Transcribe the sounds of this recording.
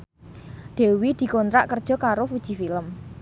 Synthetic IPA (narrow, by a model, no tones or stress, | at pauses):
ɖ̪̥e̤wid̪̥i̤kɔnt̪ɾaʔkərd̥ʒ̥ɔ̤kaɾofud̥ʒ̥i̤filəm